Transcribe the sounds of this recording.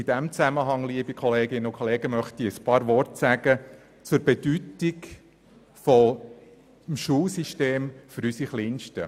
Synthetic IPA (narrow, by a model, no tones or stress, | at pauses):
id̥ɛmt͡sæməɦɑŋliəbikʰɔleːɡɪnəʊkʰɔleːɡəmœχt̪iəspɑːɾʋɔrtsæɡ̥ə | t͡suɾbedytɪk | fɔ | mʃuːlsiʃteːmfyɾysiχliːnʃtə